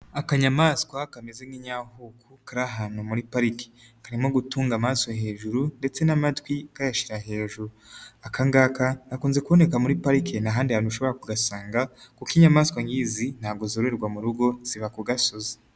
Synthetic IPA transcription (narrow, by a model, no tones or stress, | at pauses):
akaɲamaːskwakamezeŋɡiɲahukʰukaɾaɦaːnhumuɾipaɾike̥ | kaɾimo̞ɡutuːŋɡamaːsojaɦe̞ːʒuɾunde̞t͡se̞namatwikajaʃiɾaɦe̞ːʒuɾuakaŋɡaːkanakuːnze̞kuβo̞ne̞kamuɾipaɾikʰenaɦaːndihaːnuʃo̞βo̞ɾakuɡasaːŋɡakukiɲamaːskwaŋɡiːzin̥haːɡozoɾeɾɡwamuɾuɡo̞z̥iβakuɡasoze